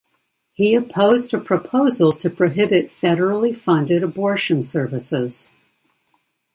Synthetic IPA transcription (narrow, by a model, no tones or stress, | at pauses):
hiɨpʰoʊzdɨpʰɹ̥ɨpʰoʊzl̩ˠtʰɨpʰɹ̥ɨɦɪbɨtfɛɾə˞l̩ˠifʌ̃ndɨɾəbɔɹʃɨ̃nsɜ˞vɨsɪz̥